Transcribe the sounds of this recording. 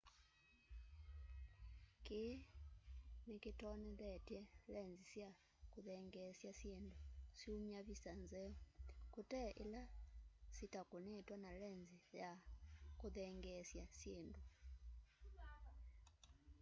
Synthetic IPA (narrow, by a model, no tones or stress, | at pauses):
ki | nikitɔnɛðɛtjɛlɛnzisja | kuðɛŋɡɛsjasjendusjumjaβisanzɛɔkutɛʔḭlasitakunɛtwanalɛnzijakuðɛŋɡɛsjasjendu